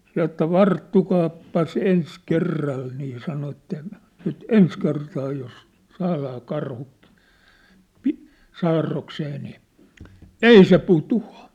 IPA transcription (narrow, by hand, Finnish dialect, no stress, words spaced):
sɑ etːæ ʋɑrtːukɑːpːɑs ens kerːɑl niː sɑno etːæ nyt ens kertɑː jos sɑːlɑː kɑrhu pi sɑːrːokseː niː ei se putuɑ